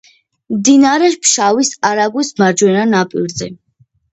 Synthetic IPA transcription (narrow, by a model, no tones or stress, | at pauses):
md̪inaɾɛpʰʃawisaɾaɡwismaɾd͡ʒwɛnanapʼiɾzɛ